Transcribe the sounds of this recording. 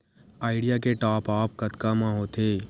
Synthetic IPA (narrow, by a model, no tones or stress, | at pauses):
aːɪɖɪjakeʈaːpaːp̚kɐt̪kamãɦoːt̪ʰeː